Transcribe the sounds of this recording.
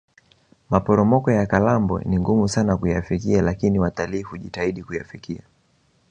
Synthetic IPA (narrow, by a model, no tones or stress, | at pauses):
mapɔɾɔmɔkɔjakalambwɔ̰niŋɡumusanakujafikialakiniwataliːhuʄitaiɗikujafikia